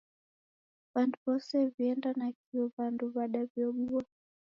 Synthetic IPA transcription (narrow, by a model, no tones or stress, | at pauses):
βanduβɔsɛviɛndanakiɔβanduβaɗavjɔɓua